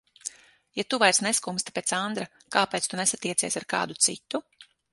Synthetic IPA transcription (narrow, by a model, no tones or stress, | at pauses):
jat̪uvajsneskumst̪pʲeːt̪sand̪ɾa | kaːpeːt̪st̪unesat̪iɛt̪siɛsaɾka̰ːd̪ut̪sḭt̪ːu